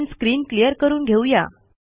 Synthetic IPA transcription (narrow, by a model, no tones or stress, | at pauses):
nskɾiːnklijəɾkəɾuːnɡʱewja̰